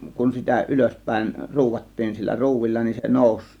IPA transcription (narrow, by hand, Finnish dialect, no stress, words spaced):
kun sitæ yløspˑæe̝n ruːʋɑtːiːn silːæ ruːʋilːɑ nin se noˑus